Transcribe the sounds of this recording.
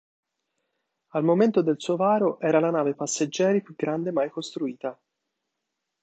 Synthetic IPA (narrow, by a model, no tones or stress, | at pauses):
almoment̪od̪elsuovaːɾoʔɛːɾalanaːvepasːed͡ʒːɛːɾipjuɡɾand̪emajkost̪ɾuiːt̪a